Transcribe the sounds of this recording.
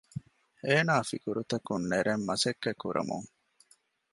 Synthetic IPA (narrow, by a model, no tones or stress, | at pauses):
eːnaːfikuɾut̪ɐkunːeɾemːɐsekːekːuɾʔɐ̰mṵŋ